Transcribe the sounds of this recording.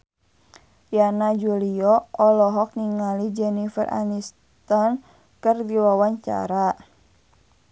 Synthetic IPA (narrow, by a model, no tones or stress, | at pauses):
janad͡ʒuliɔʔɔlɔɦɔk̚niŋalid͡ʒɛnifə̰rʔa̰nis | t̪ɔn | kɨrdiwawaɲt͡ʃa̰ɾa